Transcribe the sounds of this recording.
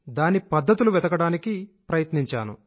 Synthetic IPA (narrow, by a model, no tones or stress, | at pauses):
d̪aːnipɐd̪ʱːɐt̪uluʋɛd̪ɐkɐɽaːnikipɾɐjɐt̪niɲt͡ʃaːnṵ